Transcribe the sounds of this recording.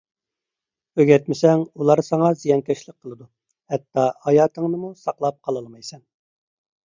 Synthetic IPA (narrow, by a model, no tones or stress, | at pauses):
øɡʲɛt̪mɪsɛŋulˠɑɾsɑŋɑzijɑnkʲɛʃlˠək̚qʰəlˠɨd̪u | hɛt̪ːɑhɑjɑːt̪ʰəŋnɨmusɑqlˠɑp̚qʰɑlˠɑlˠmɑjsɛn